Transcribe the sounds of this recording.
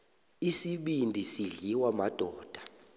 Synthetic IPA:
isiɓindʱisiɮiwamad̥ʱɔːd̥ʱḁ

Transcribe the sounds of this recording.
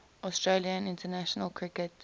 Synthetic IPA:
ɔstɹeliə̃nɪ̃ntʰənaʃɔnəlkʰɹɪkɛt

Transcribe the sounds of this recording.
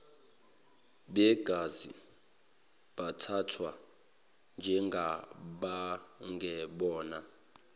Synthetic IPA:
ɓɛɡ̥ʱazi | ɓatʰatʰwa | nd͡ʒʱɛŋɡʱaɓaŋɡʱɛɓɔːna

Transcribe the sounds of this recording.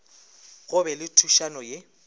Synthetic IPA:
ɣʊbɛlɪtʰuʃanɔje

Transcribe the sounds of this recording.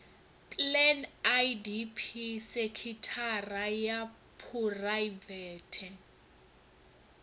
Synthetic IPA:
pʼlɛnajdipʰisekʰitʰaraja | pʰurajvɛːtʰɛn

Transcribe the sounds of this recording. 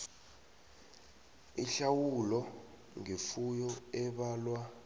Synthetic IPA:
iɬawulɔ | ŋefujɔɛɓaːlwa

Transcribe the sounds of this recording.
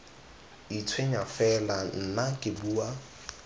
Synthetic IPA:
it͡sʰweɲafɛlan̩nakʼɪbuːa

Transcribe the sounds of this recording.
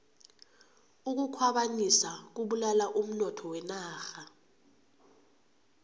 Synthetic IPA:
uk̬ukʰwaɓaɲisak̬uɓulalaʔum̩nɔtʰɔwɛnaːxa

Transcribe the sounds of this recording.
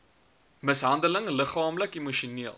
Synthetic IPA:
məsɦɐndələŋləχɑːmləkimuʃuniəlˠ

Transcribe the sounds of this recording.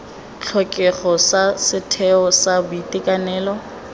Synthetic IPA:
t͡ɬʰɔkʼɛχɔsasɪtʰɛɔsabʊitʼɪkʼanɛːlɔ

